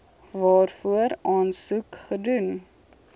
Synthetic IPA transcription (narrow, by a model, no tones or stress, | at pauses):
vɑːrfuəɾɑːnsukχədun